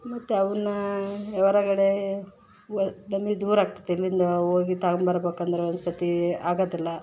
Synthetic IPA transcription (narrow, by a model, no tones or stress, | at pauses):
mɐt̪ːeɐʋɐnːuɛʋɐɾɐkɐɽe | nɐmɡed̪uːɾaːɡ̚t̪ɐd̪eilːind̪ɐoːɡit̪aːɡmbɐɾɐbeːkɐnd̪ɐɾeond̪ɐst̪ɐt̪iaːɡoːd̪ilːɐ